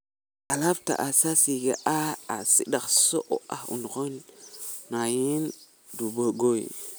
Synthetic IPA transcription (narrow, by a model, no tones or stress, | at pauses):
alafta̰ʔasasiɡeʔaasiɗaksoʔo̰ʔahṵnxonː | ajin | duboɡojḭ